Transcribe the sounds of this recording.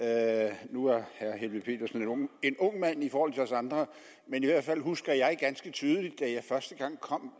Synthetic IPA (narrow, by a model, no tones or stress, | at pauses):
nuæɐhæɐhe̝lʋiðˠpʰe̝̰ːd̥ɐsn̩enŋe̝nɔ̽ŋ̰mæn̰ifɒːhɒl̰t͡sʰe̝ɒsɑ̈nd̥ʁɐ | meniʋæɐd̥fæl̰ɦusɡ̥ɐjɑ̈ɪɡ̥ænsɡ̥ət͡sʰyːðˠəlid̥ːæjɑ̈ɪfɶɐsd̥əɡ̥ɑ̈ŋ̰kʰɒ̽m̰